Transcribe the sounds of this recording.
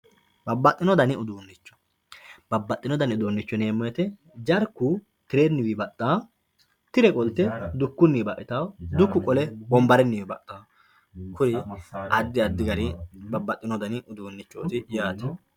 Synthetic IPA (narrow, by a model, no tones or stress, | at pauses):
bɐbːɐt̪ʼːɪnɔd̪ɐnɪʊd̪uːnːɪt͡ʃːɔ̥ | b̥ɐbːɐt̪ʼːɪnɔd̪ɐnɪʊd̪uːnːɪt͡ʃːɔneːmːɔjɛt̪ɛ | d͡ʒɐɾkːʊ | t̪ɪɾenːɪwɪbɐt̪ʼːaː | t̪ɪɾɛkʼɔlt̪ːɛd̪ʊkːʊnːibɐʔɪt̪awd̪ʊkːʊkʼɔlɛbɔmbɐɾɛnːɪwɪbɐt̪ʼːaː | kʰʊɾɪʔɐd̪ːɪɐd̪ːɪɡɐɾɪbɐbːɐt̪ʼːɪnɔd̪ɐnɪʔʊd̪uːnːɪt͡ʃːo̰ːt̪ɪjaːt̪ɐ̥